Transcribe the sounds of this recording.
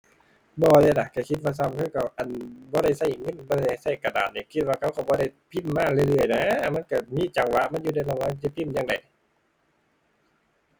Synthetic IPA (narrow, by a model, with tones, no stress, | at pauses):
bɔː˧˩lɛː˧˩˨na˨˧˩ka˧˩kʰi˧t̪̚waː˧s̬a˧˨mkʰɯ˧˥˨ka˧˩wʔa˨˩˨nbɔː˧˦ɾa˧˩jsa˧˩jŋɤ˧˥˨nbɔː˧˦ɾa˧˩jha˧˩jsa˧˩˨ka˧˩da̰ː˨˩t̪̚ni˧˩kʰi˧˦t̪̚waː˧kʰa˧˩wkʰa˨˧˩wbɔː˧˦da˧˨jpʰi˧˥˨mːaː˧˥˨lɯ˧˨jlɯ˧˩əjna˧˦˨ma˧˥˨nka˧˩miː˧˥˨t͡ɕa˨˩ŋwa˧ʔma˧˥˨juː˧da˧˨jlo˧˨ŋaː˧˥˨t͡ɕa˧˩pʰi˧˨mjaː˧˨ŋda˨˩j